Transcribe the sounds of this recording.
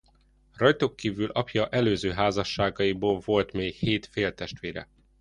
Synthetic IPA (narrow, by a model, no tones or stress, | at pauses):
rɒjt̪okːiːvylʔɒpjɒʔɛløːzøːɦaːzɒʃːaːɡɒjiboːlvo̞lt̪meːkheːt̪feːlt̪ɛʃt̪ʋeːɾɛ̰